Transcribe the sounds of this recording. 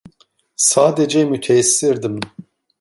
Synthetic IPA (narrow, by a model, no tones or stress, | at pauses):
saːd̪ɛd͡ʒejmut̪ʰɛsɨɾd̪ɨm